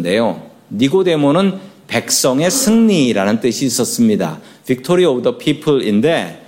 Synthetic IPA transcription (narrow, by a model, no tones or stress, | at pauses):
de̞jo | niɡode̞monɯnpe̞k̚s͈ʌŋe̞sʰɯŋɲiɾanɯnt͈ɯɕʰiːs͈ʌs͈ɯmɲida̰ | pik̚tʰoɾiodʌpʰipʰɯɭinde̞